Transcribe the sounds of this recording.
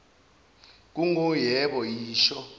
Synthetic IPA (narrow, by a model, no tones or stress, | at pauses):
k̬uŋojɛɓɔjiːʃɔ